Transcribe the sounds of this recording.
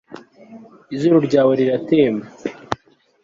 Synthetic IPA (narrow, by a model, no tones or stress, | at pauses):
izuɾuɾɟaːweɾiɾateːma